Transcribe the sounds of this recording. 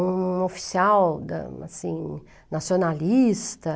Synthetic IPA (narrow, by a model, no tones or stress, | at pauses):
ũofi̥siawd̪ɐ̰a̰sĩ | nasionalist̪ɐ